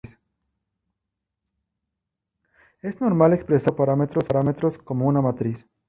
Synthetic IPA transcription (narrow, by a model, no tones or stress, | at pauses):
s | e̞zno̞ɾmalekspɾe̞sapaɾame̞t̪ɾo̞saɾame̞t̪ɾo̞sko̞mo̞unamat̪ɾis